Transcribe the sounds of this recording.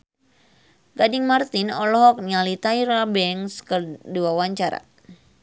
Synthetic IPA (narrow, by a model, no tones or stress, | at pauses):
ɡadiŋmart̪inɔlɔɦɔk̚nalit̪aiɾabɛŋskərduawaɲt͡ʃaɾa̰